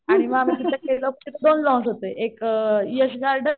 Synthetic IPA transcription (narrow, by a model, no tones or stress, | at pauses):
aɽ̃iməam̤it̪it̪akelɔp̚t̪it̪d̪onlɔ̃sɦot̪eʔekjəɕɡaɾɖə